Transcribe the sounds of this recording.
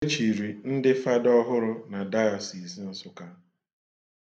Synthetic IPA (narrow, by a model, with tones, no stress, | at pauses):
t͡ʃi˨ɾi˨n̩˦dɪ˦fa˦dɔ˦ɦʊ˦ɾʊ˦na˨da˦ɔ˨si˨zi˦n̩˨sʊ˦ka˦